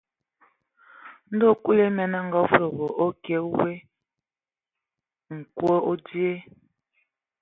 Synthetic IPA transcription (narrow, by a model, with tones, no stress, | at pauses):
n̩˦do˦˨ku˦le˦mɛ˨na˦ŋ̩˦ɡa˦vɾo˨ɣo˨ʔo˦ke˨˦u˦we˦ | ŋ̩˨kwo˦o˦di˦e˦